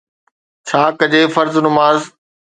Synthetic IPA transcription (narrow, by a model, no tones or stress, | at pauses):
t͡ɕʰaːkɐd͡ʑeːfɐɾznʊmaːz